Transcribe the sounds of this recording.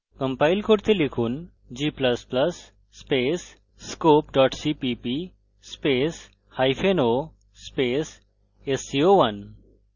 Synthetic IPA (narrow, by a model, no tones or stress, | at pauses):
kɐ̃mpaːɪlkʰoɽt̪elɪkʰuːn | d͡ʒiːplɐsplɐsː | peːsː | koːpɖɔːʈsiːpipi | speːs | haːjpʰenoː | speːs | esioːʋɐn